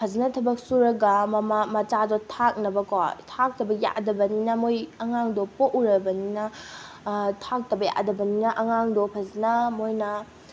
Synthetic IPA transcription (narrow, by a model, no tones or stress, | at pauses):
pʰɐzinɐtʰɐbɐk̚suɾɐɡɐmɐmamɐt͡ʃadɔtʰak̚nɐbɐkotʰak̚tɐbɐja̰ʔdɐbɐninɐmojɐŋaŋdɔpoʔuɾɐbɐninɐ | tʰak̚tɐbɐja̰ʔdɐbɐninɐʔɐŋaŋdɔpʰɐznɐmojnɐ